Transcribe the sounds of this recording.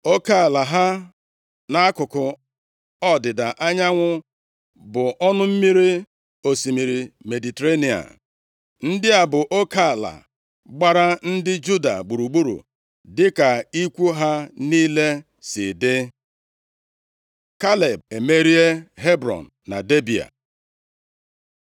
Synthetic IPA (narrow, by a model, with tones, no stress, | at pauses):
o˦ka˦˨la˨ɦa˦ | na˦a˦kʊ˨kʊ˨ | ɔ˦dɪ˨da˨ʔa˦ɲa˦ŋʷʊ˦ | bʊ˨ʔɔ˦nʊ˦m̩˦mi˦ɾi˦ | o˨si˨mi˨ɾi˨me˨di˨te˨ɾe˦ni˨a̰˨ | n̩˦dɪ˦a˨bʊ˨ʔo˦ka˦˨la̰˨ | ɡ͡ba˦ɾa˦n̩˦dɪ˦d͡ʒu˦da̰˨ɡ͡bu˨ɾu˨ɡ͡bu˦ɾṵ˨ | dɪ˦ka˨i˦kʷu˦ɦa˦niː˦le˦ | sɪ˨dɪ˦ | ka˦le˨b̚e˨me˦ɾi˦e˦ɦe˦bɾɔ̰˨n̩ː˨a̰˨de˦bi˨a̰˨